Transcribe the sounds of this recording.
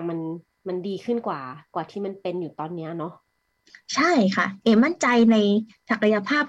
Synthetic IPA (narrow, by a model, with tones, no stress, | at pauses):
ma˧n | ma˧ndiː˧kʰɯ˥˩nkwaː˨˩kwaː˨˩t̪ʰiː˥˩ma˧˥˨npe˧njuː˨˩t̪ɔː˧nːi˦˥ɐnɔ˦˥ | t͡ɕʰa˥˩jkʰa˥˩ʔeː˧˩ma˥˩˨nt͡ɕa˧jna˧j | sa˨˩ka˧ja˧pʰaː˥˩p̚